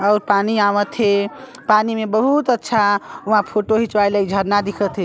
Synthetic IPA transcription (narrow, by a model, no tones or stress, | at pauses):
əʊɾpaniaʋət̪ʰɦepanimebəɦut̪ətːʃʰauɦãpʰoʈoɦit͡ʃwajləid͡ʒʱəɾnad̪ikʰət̪ɦe